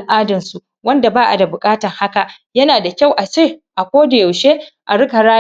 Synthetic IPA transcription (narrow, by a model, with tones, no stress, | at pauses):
lʔaː˦dɐ˨nsu˨ʔ | wɐ˦nda˨baː˦ʔa̰˨da˨bʊ˨kʼaː˦tɐ˨rha˦ka˨ʔ | jɐ˦naː˨da˨kʲa˦˨wʔa˨t͡ʃeː˦˨ʔa˨kʷoː˦da˨ja˨wʃeː˦ʔa˨ɽʊ˦ka˨ɽaː˦